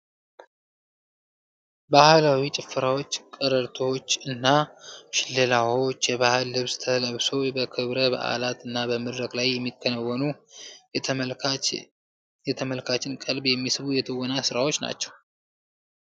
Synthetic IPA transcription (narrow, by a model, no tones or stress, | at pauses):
bahlawit͡ʃʼɪfːɨɾawo̞t͡ʃːkʼəɾəɾt̪ʰot͡ʃːɨnːaʃɪlːɨlawot͡ʃːjɛβahɨlːɨβst̪ʰələβso̞bəkʰɨβɾəba̰ʔa̰lat̪ɨnːabəmɨd̪ɾəkʼlajːɛmːikʰːənəwːɔnu | jɛt̪ʰəməlkʰat͡ʃːɪnkʼəlbjɛmːisɨβujɛt̪ʰəwːɔnasɨɾawo̞t͡ʃːna̰t͡ʃːɛw